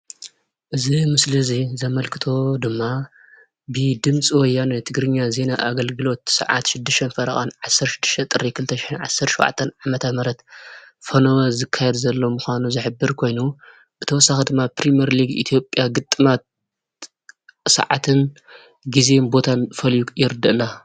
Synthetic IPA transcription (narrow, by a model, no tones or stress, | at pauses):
ʔɨzimɨslɨzizɐmɐlkʰɨ̥t̪ʰo̞d̪ɨmːa | bɨd̪ɨmt͡sʼiwɔjːanɐt̪ʰɨɡɾɨɲːaze̞naʔaɡɐlɡɨlo̞t̪sɐ̰ʕa̰t̪ʃɪd̪ːɨʃt̪ʰɐnfɐɾɐχʼa̰nʕasːɐɾʃɪ̥d̪ːɨ̥ʃt̪ʰɐt̪ʼɨɾikʰɨlɨt̪ʰːɐʃɪ̥ħɨnʕa̰sːɐɾt̪ʃo̰wʕa̰t̪ʰːɐnʕamɐt̪ʰɐmɐɾɐt̪fɐnɐwɐzɨkʰːajɛd̪zɐlːo̞muxʷanuzɨħɨbːɨɾkʰo̞jnu | b̥ɨt̪ʰɐwɔsaxid̪ɨmːapɾimiɐɾliɡḭt̪ʰijo̞pʼːjaɡɨt̪ʼːɨmat̪̚ | sɐ̰ʕa̰t̪ʰɨn | ɡize̞nbo̞t̪ʰanfɐljujɪɾɨd̪ːɨʔɨla